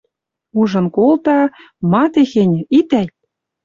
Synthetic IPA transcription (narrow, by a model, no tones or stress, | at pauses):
uʒɤ̆nkolt̪ɑ | mɑt̪exen̆ʲit̪æj